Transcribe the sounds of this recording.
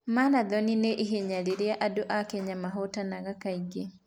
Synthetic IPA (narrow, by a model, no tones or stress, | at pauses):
maːnaðɔnineʔiɦeɲaɾeɾeaʔadoʔakɛɲamaɦotanaɣakaiɡe